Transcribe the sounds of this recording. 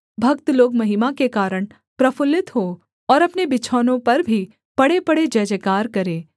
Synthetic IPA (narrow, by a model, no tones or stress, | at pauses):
bʱɐkt̪loːɡmɐɦɪmakekaːɾəɽ̃ | pɾɐfʊlɪt̪ɦo | ɔːɾɐpnebɪt͡ʃʰɔːnõpɐɾbʱi | pɐɽepɐɽed͡ʒɐd͡ʒəkaːɾkɐɾẽː